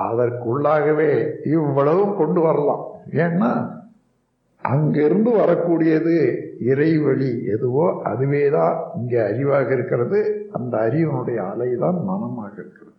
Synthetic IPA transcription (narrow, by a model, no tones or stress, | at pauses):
ɐðɐɾkʊɭːaːɣɐʋeːɪʋːɐɭɐʋɯmkɔɳɖɯʋɐɾɐlã̰ːmeːnːaː | ʔɐ̰ŋɡɪɾɯnd̪ɯʋɐɾɐkːuːɽɪjɐðɯɪɾɐɪʋɐɭiɛðɯʋoːʔɐ̰ðɯʋeːðãːɪŋɡeːɐɾɪʋaːɣɐɪɾɯkːɪrɐðɯɐnd̪ɐːɾɪʋɐnɯɽɐjɐ̰ːlɐɪðaːnmɐnɐmaːɣɐɪɾɯkːɪrɐðɯ